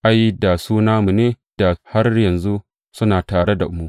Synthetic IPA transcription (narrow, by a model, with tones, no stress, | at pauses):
ʔa˦jda˨suː˦naː˦mu˨neː˦ | d̥a˨ha˦rjɐ˨nzu˦ | sʊ˦naː˨taː˨ɽe˦da˨ʔʊ˦mu˦